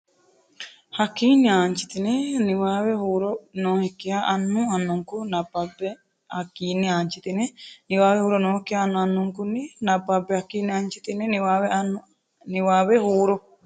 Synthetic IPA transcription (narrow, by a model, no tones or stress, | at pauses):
hakiːniaːɲt͡ʃi̥t̪ineniwaːβehuːɾonõːhekiaʔanːũanːuŋkunababe | akiːniaɲt͡ʃit̪ineniwaːwehuːɾonõːhekːiaːnːuanːuŋkuninababːehakiːniaɲt͡ʃit̪ineniwaβeanu | niwaːβehuːɾo